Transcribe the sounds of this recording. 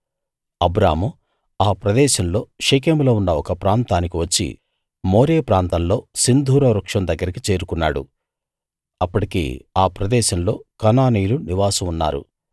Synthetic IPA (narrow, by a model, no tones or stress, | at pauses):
ɐbɾaːmu | aːpɾɐd̪ɛːʃɐmlo̞ːʂek̬eːmlo̞ːunːɐɔkɐpɾaːnt̪aːnikiʋɐt͡ʃːḭ | mo̞ːɾeːpɾaːnt̪ɐmlo̞ːsind̪ʱuːɾɐɾɐkʂɐmd̪ɐɡːɐɾikit͡ʃe̞ːɾukunːa̰ːɽṵ | ɐpːɐʈikḛːaːpɾɐd̪ɛːʃɐmlo̞ːkɐnaːnijluniʋaːsɐmunːa̰ːɾṵ